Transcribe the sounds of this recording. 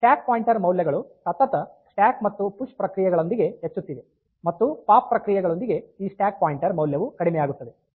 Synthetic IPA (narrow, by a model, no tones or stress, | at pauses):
sʈaːk̚paːjiɳʈɐɾmɐwljɐɡɐɭusɐt̪ːɐt̪ɐsʈaːkmɐt̪ːupuʂʈpɾɐkɾijɐɡɐɭo̞nd̪iɡe̞ɦet͡ʃːut̪ːiʋe̞ | mɐt̪ːupaːpːɾɐkɾijɐɡɐɭo̞nd̪iɡe̞iːsʈjaːk̚paːjiɳʈɐɾmɐwljɐʋukɐɽimɛjaːɡut̪ːɐd̪e